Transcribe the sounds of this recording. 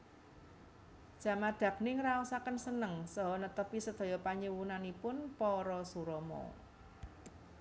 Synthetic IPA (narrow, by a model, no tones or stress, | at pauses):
d̥ʒ̥a̤mad̪̥ä̤k̚nɪŋɾausakənsənəŋsɔɦɔnət̪əpisəd̪̥ɔ̤jɔpaɲəwunanipʊnpɔɾɔsuɾɔmɔ̰